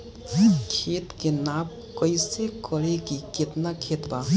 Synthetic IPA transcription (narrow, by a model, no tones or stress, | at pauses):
kʰet̪kenab̚ | kəjsekəɾekiket̪nakʰet̪ba